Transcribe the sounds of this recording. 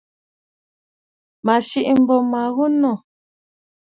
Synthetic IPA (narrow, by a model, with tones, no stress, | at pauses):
ma˨ʃi˦ʔm̩˨bɔ˨ma˨ɣu˦nɔ˦˨